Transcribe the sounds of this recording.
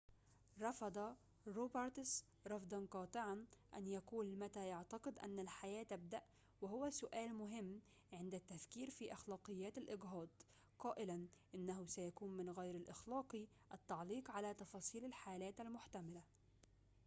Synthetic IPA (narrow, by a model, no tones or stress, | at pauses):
ɾˤɑfɑd̪ˤɑ | ɾoːbɑɾˤt̪s | ɾˤɑfd̪ˤɑnqɑːt̪ˤɨʕanʔa̰njakuːlmat̪ajɑʕt̪ɑqɨd̪ʔa̰nːalħajæːt̪ab̚d̪aʔ | wɪɦʊwasʊʔæːlmʊɦɪmː | ʕɪnd̪at̪ːafkiːɾfiʔɑxlɑːqɨjːæːt̪alʔɪɡɦɑːd̪ˤ | qɑːʔɪlanʔɪnːaɦʊsajakuːnmɪnɣajɾalʔɪxlɑːqi | ʔat̪ːɑʕliːqʕalat̪ɑfɑːsˤiːlalħaːlæːt̪almʊħt̪amala